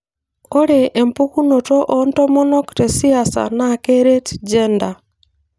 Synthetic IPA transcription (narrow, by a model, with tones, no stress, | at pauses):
o˦ɾe˨e˨mpu˦ku˦no˨tɔ˦ʔo˦ntɔ˦mɔ˦nɔ˦kte˨si˦a˨sa̰˨na˦˨ke˦ɾe˦td͡ʒɛ˦nda˨